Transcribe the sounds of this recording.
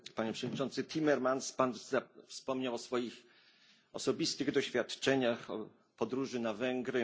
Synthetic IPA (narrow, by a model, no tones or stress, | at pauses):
paɲɛpʂɛvɔd̪ɲit͡ʂɔnt̪sɘt̪ʲʰimɛɾmanspanzafspɔmɲawɔsfɔjix | ɔ̰sɔbʲist̪ɘɣd̪ɔɕfʲjat̪t͡ʂɛɲaxɔ̰ | pɔd̪ɾuʐɘnavɛŋɡɾɘ